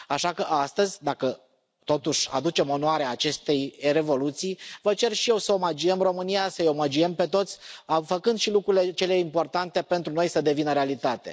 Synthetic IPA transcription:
aʃakəʔast̪əzʲd̪akə | t̪o̞t̪uʃʲa̰d̪ut͡ʃe̞mo̞noaɾeaːt͡ʃe̞st̪e̞jre̞vo̞lut̪sijvət͡ʃe̞rʃije̞wsəomad͡ʒiemro̞mɨnijasəjo̞mad͡ʒiempe̞t̪o̞t̪sʲafəkɨnd̪ʃilukɾuile̞t͡ʃe̞le̞impo̞rt̪ant̪e̞pe̞nt̪ɾuno̞jsəd̪e̞vinəɾealit̪at̪e̞̰

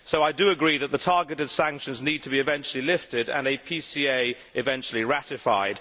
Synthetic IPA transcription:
soʊaɪdəəɡɹiːðəʔ̪̚ðətʰɑːɡɪtɪd̥sãŋkʃə̃nzniːd̚tʰəbiɨɪvɛ̃nt͡ʃəlilɪftɪdə̰̃nepʰisiːeɪ | ʔɪvɛ̃nt͡ʃəlˠiɹatɪfa̰ɪd̥

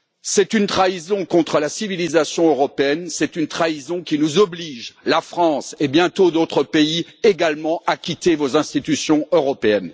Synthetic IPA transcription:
sɛt̪ynt̪χaizɔ̃kɔ̃t̪χəlasivilizasjɔ̃øʁɔpeɛnsɛt̪ynt̪χaizɔ̃kʲinuzɔbliʒlafχɑ̃sebjɛ̃t̪od̪ot̪χəpeieɡalmɑ̃akʲit̪evozɛ̃st̪it̪ysjɔ̃øʁɔpeɛn

